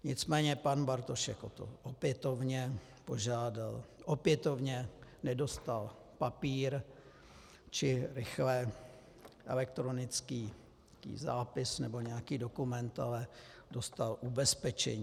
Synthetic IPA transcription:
ɲɪt͡smɛːɲɛpanbaɾt̪oʃɛ̰kot̪o̰ʔopjɛt̪o̞vɲɛ | po̞ʒaːdalʔopjɛt̪o̞vɲɛnɛdo̞st̪al | papiːɾ | t͡ʃɪɾɪxlɛ | ʔɛ̰lɛk̚t̪ɾo̞nɪt͡skiː | kḭːza̰ːpɪsnɛbo̞ɲɛjakiːdo̞kumɛnt̪a̰lɛdost̪alʔubɛspɛt͡ʃɛ̰ɲi

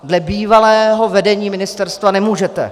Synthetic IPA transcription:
dlɛbiːvalɛːɦo̞vɛdɛɲiːmɪnɪst̪ɛɾst̪vanɛmuːʒɛt̪ɛ̰

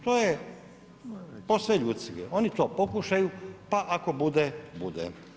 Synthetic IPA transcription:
t̪oːje | posʋeʎuːt̪siḛo̞nit̪o̞ːpokuʃajupaʔako̞bud̪ebud̪ḛ

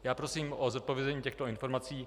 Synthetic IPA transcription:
jaːpɾo̞siːmozot̪̚povjɛzɛɲiːcɛxt̪o̞ɪnfo̞ɾmat͡siː

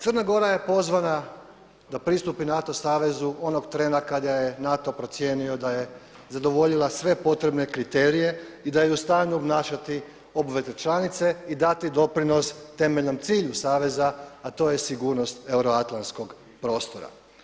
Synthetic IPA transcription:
t̪sərnaɡo̞ɾaje̞po̞zʋana | d̪apɾist̪upinat̪o̞saːʋe̞zuo̞no̞ɡt̪ɾe̞nakad̪ajenat̪o̞pɾo̞t̪sje̞ːnio̞d̪aje̞ | zad̪o̞ʋo̞ʎilˠasʋe̞po̞t̪ɾe̞bne̞kɾit̪eːɾije̞id̪ajeust̪aːnuobnaːʃat̪i | o̞buʋe̞ze̞t͡ʃlanit̪se̞id̪at̪id̪o̞pɾino̞st̪e̞me̞ʎno̞mt̪siːʎusaːʋe̞zaːt̪o̞ːje̞siɡuːɾno̞st̪e̞uɾoat̪lˠansko̞ɡ | pɾo̞ːst̪o̞ɾa̰

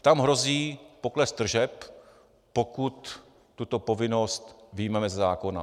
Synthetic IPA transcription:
t̪amɦɾo̞ziːpo̞klɛsd̪r̩ʒɛpː | okut̪ː | ut̪o̞po̞vɪno̞st̪vɪjmɛmɛzɛzaːko̞na̰

